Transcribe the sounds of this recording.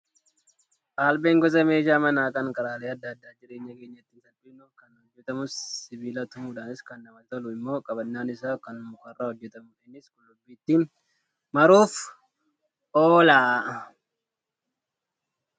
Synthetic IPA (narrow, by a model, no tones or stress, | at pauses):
ʔaːlbeːŋɡɔzɐme̞ːʃaːmɐnaːkʼɐŋkʼɐɾaːleɐd̪ːaːd̪ːaːd͡ʒɪɾe̞ːɲːɐke̞ːɲːɐt̪ːiːnsɐlbɪnʊkɐnhɔd͡ʒːɛt̪ɐmʊssɪbiːlɐt̪ʊmuːᶑaːnɪskɐnːɐmɐt̪ɐlʊɪmːo̞ːkʼɐbɐnːaːnɪsaːkɐnmʊkɐrːahɔd͡ʒːɛt̪ɐmʊᶑɪnɪskʊnʊbːiːt̪ːiːn | mɐɾuːf | ʔoːlaː